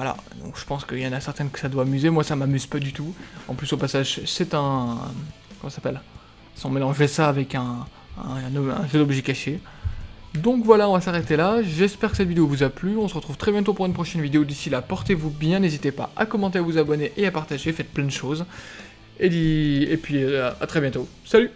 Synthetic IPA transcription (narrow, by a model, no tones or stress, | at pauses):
vwala̰d̪ɔ̰̃kʒ̥ə̥pɑ̃skəilɑ̃nasɛʁt̪ɛnkə̥sad̪waːmyzemwasamamyzpad̪yt̪uɑ̰̃plysopasaʒsɛt̪ɛ̃ | kɔmɑ̃ssapɛl | sɑ̃melɑ̃ʒɛsaːvɛkɛ̃ | nɛ̰̃ʒəd̪ɔbʒɛkaʃe | d̪ɔ̃kvwalaɔ̃vasaʁet̪elaʒɛspɛʁkəsɛt̪vid̪eovuzaplyɔ̃səʁət̪χuv̥t̪χɛbjɛ̃t̪opuʁynpχɔʃɛnvid̪eod̪isilapɔʁt̪evubjɛ̃nezit̪epa̰ʔa̰kɔmɑ̃t̪eavuzabɔneʔeapaʁt̪aʒefɛt̪̚plɛ̃d̪əʃoz | ed̪iepɥia̰t̪χɛbjɛ̃t̪o | saly